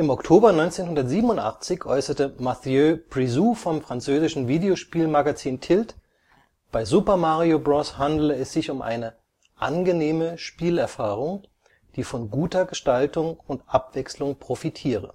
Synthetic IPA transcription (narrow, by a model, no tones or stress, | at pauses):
ʔɪmɔktʰoːbɐnɔʏnt͡seːnhʊndɐtz̥iːbənʊntʔa̰χt͡sɪçʔɔ̰ʏsɐtəmaθjøpʁ̥izuːfɔmfʁ̥ant͡søːzɪʃn̩viːdeoʃpiːlmaɡat͡siːntʰɪlt | b̥aɪzupɐmaʁiobʁɔshandləɛsz̥ɪçʊmʔa̰ɪnə | ʔa̰nɡəneːməʃpiːlɛɐfaːʁ̞ʊŋ | d̥iːfɔnɡuːtɐɡəʃtaltʊŋʊntʔapv̥ɛkslʊŋpʁ̥ofitʰiːʁə̰